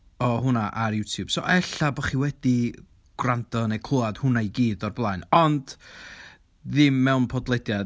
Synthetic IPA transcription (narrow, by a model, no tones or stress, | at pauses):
ɔɦʊnaʔarjutʰjub̥so̰ʔɛɬabɔχiːwɛd̥i | ɡ̥randɔnejkʰʊlˠad̥hʊnajɡiːdɔrblˠajnɔnd | ðɪmːɛwnpʰɔdlˠɛdja